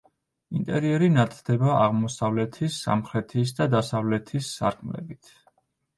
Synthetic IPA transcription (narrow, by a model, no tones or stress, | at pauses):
int̪ʼɛɾiɛɾinat̪ʰʼd̪̥ɛbaaʁmɔsavlɛt̪ʰisːa̰mχɾɛt̪ʰis̬d̪ad̪asavlɛt̪ʰisːa̰ɾkʰʼmlɛ̰bit̪ʰ